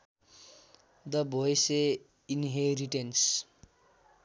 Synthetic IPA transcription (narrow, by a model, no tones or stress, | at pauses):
d̪ʌbʱojse | inɦeɾiʈens